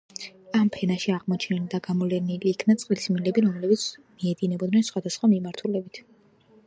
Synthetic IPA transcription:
ampʰɛnaʃiaʁmɔt͡ʃʰnild̪aɡamɔlɛniliːkʰnat̪sʼqʼlismilɛbiɾɔmlɛbit̪sʰmiɛd̪inɛbɔd̪nɛnsχwad̪asχwamimaɾt̪ʰulɛbit̪ʰ

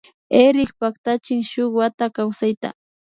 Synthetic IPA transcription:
eɾɪkpak̚t̪at͡ʃɪŋʃʊkwat̪akawsajt̪a̰

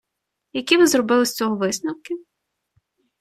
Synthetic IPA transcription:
jɐkʲiʋɪzrɔbɪlˠɪsʲt͡sʲɔɦɔʋɪsnɐwkʲɪ

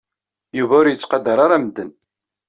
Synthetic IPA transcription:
juvæʊɾjət͡sːqɑd̪ːɑɾˤaɾˤæmd̪ːən

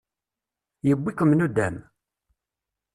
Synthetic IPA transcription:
jəbːikəmnud̪æm

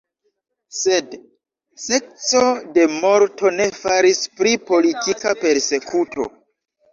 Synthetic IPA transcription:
se̞d | se̞k̚t͡so̞de̞mo̞ɾtʰo̞ne̞faɾispɾipo̞litʰikape̞ɾse̞kʰuto̞̰

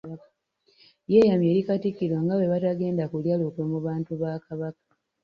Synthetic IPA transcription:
je̞ːjamje̞ːɾikatikːiɾwaŋɡawe̞βataɡe̞ːndakuljalokwemuβaːntuβaːkaβakḁ

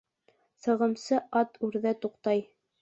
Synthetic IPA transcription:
sɤ̆ʁɤ̆msɤʔɑt̪ʰʉɾðæt̪uqt̪ɑj

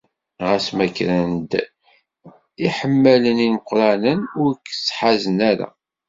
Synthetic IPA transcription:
ʁæsmækːɾænd̪ | iħəmːæləniməqɾˤɑnənʊɾkːsħazənæɾa̰

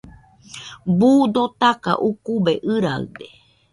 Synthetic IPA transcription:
buːd̪ot̪aka̰ʔukubeʔɨɾaɨ̰d̪e

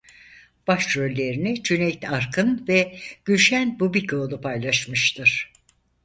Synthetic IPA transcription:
b̥aʃɾølʲːe̞ɾinɛt͡ʃʰynɛjt̪aɾkʰɯnvɛɟ̥yʃænbubicʰoːlˠupʰajlˠaʃmɯʃt̪ʰɯɾ̥

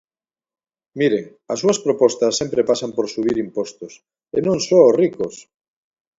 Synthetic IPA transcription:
miɾeŋ | asuaspɾopost̪asːempɾepasampoɾsuβ̞iɾimpost̪os | ḛnõnsorikos

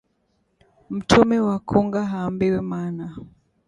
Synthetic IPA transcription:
m̩tʰɔmɛwakʰɔŋɡaɦaːmbiwɛmaːna

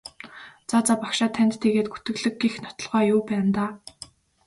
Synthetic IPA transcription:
t͡sat͡sapakʃaːt̪ʰːænʲt̪t̪ʰːeɣeːt̪̚ɡut̪ɘ̆ɣɮɘ̆ɡːixnɔ̥t̪ɞ̆ɮʁœːjʊːpæːnt̪aː

